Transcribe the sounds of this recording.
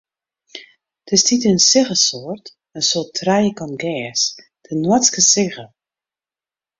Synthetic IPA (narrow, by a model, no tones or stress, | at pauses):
tʰɪstʰitənsɪɣəsoːrt | ənsoːtʰrɛjəkɔnɡɛːs | d̥ənwɔt͡skəsɪɣə